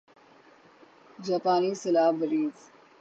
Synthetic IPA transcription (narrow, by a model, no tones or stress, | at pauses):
d͡ʒaːpaːniːsɐlaːbɐɾiːz